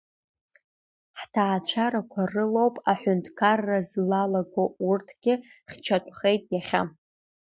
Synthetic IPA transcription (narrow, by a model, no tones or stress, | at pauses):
ħtʰaːt͡ɕʷʰaɾakʷʰarɨlo̞wpʼaħʷᶣʊntʰʼkʰarːazlalaɡourtʰɡ̥ʲɪχʲt͡ʃʰatʷʰʼχe̞jtʼjaχʲa̰